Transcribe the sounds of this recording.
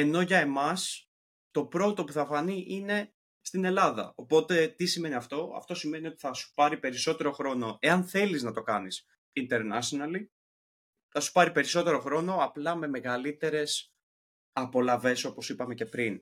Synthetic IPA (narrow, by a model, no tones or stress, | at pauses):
e̞no̞ʝɐe̞mɐs | t̪o̞pɾo̞t̪o̞puθɐfɐniʔine̞ | st̪ine̞lɐðɐ̰o̞po̞t̪e̞t̪isime̞niɐft̪o̞ɐ̰ft̪o̞sime̞nio̞t̪i̥θɐsu̥pɐɾipe̞ɾiso̞t̪e̞ɾo̞xɾo̞no̞e̞ɐnθe̞liznɐt̪o̞kɐnis | int̪eɾnɐsonɐli | θɐsu̥pɐɾipe̞ɾiso̞t̪e̞ɾo̞xɾo̞no̞ɐplɐme̞me̞ɣɐlit̪e̞ɾe̞s | ɐpo̞lɐve̞so̞po̞sipɐme̞ce̞pɾin